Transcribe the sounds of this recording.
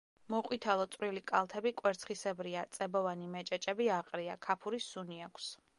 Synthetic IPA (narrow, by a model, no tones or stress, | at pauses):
mɔqʼwit̪ʰalˠɔt̪sʼɾilikʼalˠt̪ʰɛbikʼwɛɾt̪sʰχisɛbɾiat̪sʼɛbɔvanimɛt͡ʃʼɛt͡ʃʼɛbiaqʼɾiakʰapʰuɾisuniakʷʰs